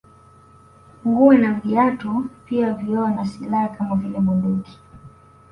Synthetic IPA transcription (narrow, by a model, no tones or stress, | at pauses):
ŋɡuinam̩viatupiaviɔanasilahakamavilɛɓunduki̥